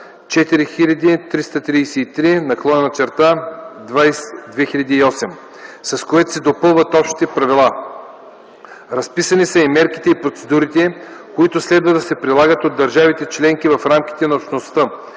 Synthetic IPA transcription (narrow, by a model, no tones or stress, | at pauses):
t͡ʃɛt̪iɾixilʲɐd̪it̪ɾist̪ɐt̪ɾijsɛːt̪ɾinɐklˠɔnənɐt͡ʃɛɾt̪ad̪vajsd̪vɛxilʲɐd̪iːɔsɛm | sɐskoɛt̪o̥sɛd̪opɤlˠvɐt̪ɔpʃt̪i̥t̪ɛpɾɐvilˠa | ɾɐspisɐnisəimɛɾki̥t̪ɛipɾot̪sɛd̪uɾit̪ɛkoit̪ʊslɛd̪vəd̪ɐsɛpɾilˠaɡət̪od̪ːɐɾʒavit̪ɛt͡ʃlɛŋk̟ivɐfɾamk̟ʲi̥t̪ɛnɐopʃnost̪ə